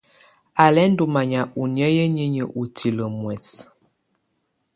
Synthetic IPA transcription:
a˨lɛ˦n˦du˨ma˨ɲa˨ʔu˨njə˦jə˦ɲi˦ɲə˨ʔu˨tʰi˨lə˨mwɛ˨s

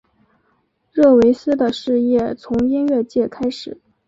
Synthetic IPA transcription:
ɻɤ˥˩we˧˥ɪsɹ̩˥d̪ə˨ʂɻ̩˥˧jɛ˥˩t͡sʰʊ˧˥ŋi˥nɥɛ˥˧t͡ɕjɛ˥˩kʰa˥ɪʂɻ̩˨˩˦

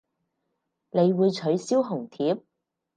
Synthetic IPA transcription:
ne˨˧jwuː˨˧jt͡ʃʰɵ˨˥ɥsiː˥wɦʊ˨˩ŋt̪ʰiː˨˥p̚

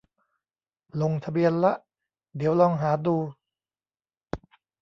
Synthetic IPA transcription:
lo˧ŋt̪ʰa˧bi˧ənla˦˥ʔ | d̪i˩˦əwlɔː˧ŋɦaː˩˦duː˧

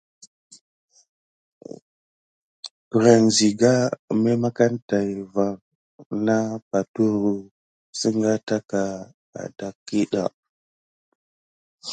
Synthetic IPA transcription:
ɾa˨nzi˨ɡa˦me˦ma˦ka˦nta˨jva˨ŋ | na˦pa˨tu˦ɾu˨ | si˦ŋɡa˦ta˦ka˨ | a̰˨da˨ki˦ɗa̰˨

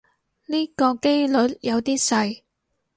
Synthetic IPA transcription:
niː˥kɔː˧ke˥jlɵ˨˥t̚jɐ˨˧wt̪iː˥sɐ˧j

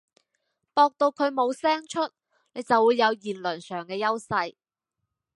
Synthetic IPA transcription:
pɔː˧k̚t̪o˧wkʰɵ˨˧ɥmo˨˧wsɛː˥ŋt͡ʃʰɵ˥t̚ | ne˨˧jt͡sɐ˨wuː˨˧jːɐ˨˧wjiː˨˩nlɵ˨˩nsœː˨˩ŋkɛː˧jɐ˥wsɐ˧j

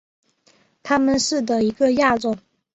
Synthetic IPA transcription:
t̪ʰa˥mə˨nʂɻ̩˥˩d̪ə˩i˧˥ɡə˧ja˥˧ʈ͡ʂo˥˩

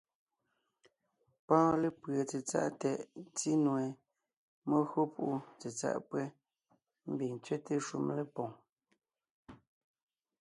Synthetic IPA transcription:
pɔ̃ː˦le˦˨pɰə˨t͡se˨t͡sa̰˦ʔtɛ˨ʔt͡si˦nwɛ˨ | mo˦ɣo˦pu˦ʔu˦˨t͡se˨t͡sa̰˦˨ʔpwɛ˦ | m̩˦bi˨t͡sɥe˦te˦ʃu˦mle˨pɔ̃˨ŋ

